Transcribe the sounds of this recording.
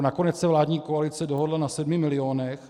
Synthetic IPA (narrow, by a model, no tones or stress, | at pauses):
nako̞nɛt͡ssɛvlaːdɲiːkoalɪt͡sɛdo̞ɦodlanasɛdmɪmɪlɪoːnɛx